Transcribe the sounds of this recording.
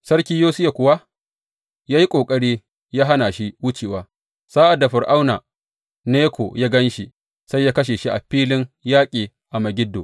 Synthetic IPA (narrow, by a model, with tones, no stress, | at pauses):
sɐ˦rkʲiː˦joː˦sɪ˦ja˨kʷʊ˨wa˦ | jaː˦ji˦kʷʼoː˨kʼɐ˦ɽiː˦ | jaː˦ɦa˦na˨ʃi˦wʊ˦t͡ʃeː˨waː˨ | saː˦ʔa˨dːa˨ɸɪ˨rʔa˦wnaː˨ | neː˦kʷʰo˨ja˦ɡɐ˦nʃi˦ | sa˦jːaː˦kɐ˦ʃ̬eː˨ʃi˦ʔa̰˨ɸiː˦lɪ˦ŋjaː˦kʲʼiː˨ | ʔa˨mɐ˨ɡʲɪ˦dːoː˨